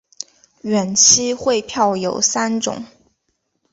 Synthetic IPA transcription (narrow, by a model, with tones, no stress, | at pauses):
ɥɛ˨˩nt͡ɕʰi˥xwe˥˧ɪpʰjɑ˥˩ʊjo˨˩ʊsa˥nʈ͡ʂʊ̰˨˩˦ŋ